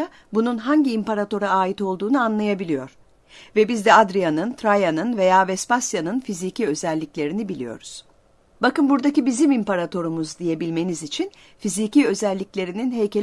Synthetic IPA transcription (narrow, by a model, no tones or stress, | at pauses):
a | bununɦaɲɟiːmpaɾat̪o̞ɾaːjit̪o̞lˠd̪uːnuanlˠajabilʲijo̞ɾ̥ | vɛbizd̪ɛad̪ɾijanɯnt̪ʰɾajanɯnve̞jaːvɛspasjanɯnfizicʰiø̞zɛlʲːiclʲe̞ɾinibilʲijo̞̰ɾuz̥ | bakɯnbuɾd̪acibizimimpaɾat̪ʰo̞ɾumuzd̪ije̞bilʲme̞nizit͡ʃʰin | fiziciø̞zɛlʲːiclʲe̞ɾininɦejcʰe̞l